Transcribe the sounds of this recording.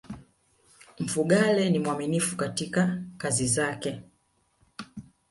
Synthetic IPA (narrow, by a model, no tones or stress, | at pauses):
m̩fuɠalɛnimwaminifu̥katikakazizakɛ